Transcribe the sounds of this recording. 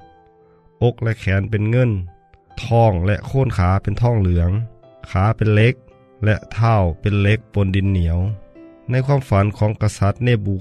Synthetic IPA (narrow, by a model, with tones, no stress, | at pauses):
ʔo˧˥k̚lɛ˧ʔkʰɛː˨˦npe˨nŋɤ˧˥˨n | t̪ʰɔː˧˩ŋlɛ˧ʔkʰoː˧˥˨nkʰaː˨˦pe˨nt̪ʰɔː˧˥˩ŋlɯ˨˩˦əŋ | kʰaː˨˦pe˨nle˧˦k̚ | lɛ˧ʔt̪ʰaː˧˩˨wpe˨nle˧˥k̚po˨˧˦ndi˨˩˦nːi˨˦əwna˧˥˨jkʰwaː˧˥˨mfa˨˦nkʰɔː˨˦ŋka˧sa˧˦t̪̚neː˧˩buː˨˦